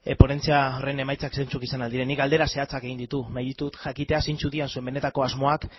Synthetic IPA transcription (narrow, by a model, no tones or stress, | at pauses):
epo̞ne̞nt͡siare̞ne̞majt͡sakse̞nt͡sukisanald̪iɾe̞nːikald̪e̞ɾase̞at͡sake̞ɣind̪it̪unajðit̪ut̪ʝakit̪e̞asint͡suðiansue̞mbe̞ne̞t̪ako̞azmo̞ak